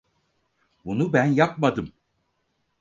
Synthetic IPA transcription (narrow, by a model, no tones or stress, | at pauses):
bunubænjap̚mad̪ɯm